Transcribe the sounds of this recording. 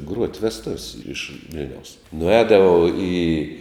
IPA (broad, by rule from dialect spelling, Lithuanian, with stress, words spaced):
ɡruɔtʲ ʋʲɛsˈtʊwsʲ ɪʃ ˈʋʲɪlʲnʲɛʊs nʊˈɛːdɐʋɐʊ iː